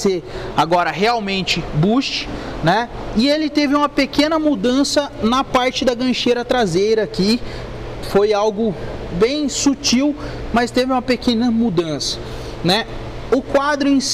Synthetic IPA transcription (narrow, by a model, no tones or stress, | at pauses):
seaɡɔɾɐɦeawmẽnt͡ʃɪbuʃt͡ʃɪ̥nɛɪelɪt̪evɪũmɐpekẽnɐmud̪ɐ̃sɐnɐpaɾt͡ʃɪd̪ɐɡɐ̃ʃejɾɐt̪ɾazejɾɐːki | fojawɡʊbẽj̃sut͡ʃiwmɐst̪evɪũmɐpekẽnɐmud̪ɐ̃sɐ̥ | nɛ | ʊkwad̪ɾʊĩs